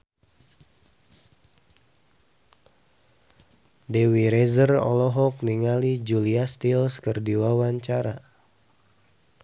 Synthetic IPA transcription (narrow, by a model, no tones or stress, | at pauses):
dewiɾezərɔ̰lɔɦɔk̚niŋalid͡ʒuliast̪ilskərdiwawaɲt͡ʃaɾa